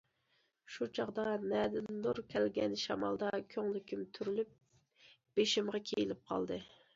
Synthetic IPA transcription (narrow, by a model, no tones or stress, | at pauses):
ʃut͡ʃʰɑqd̪ɑnɛd̪ɪnːuɾkʲʰɛlɡʲɛnʃɑmɑ̰lˠd̪ɑkʲʰøŋlɪkʲʰymt̪ʰyɾylyp̚ | b̥eʃimʁɑkʲʰejilɪp̚qʰɑ̰lˠd̪ɨ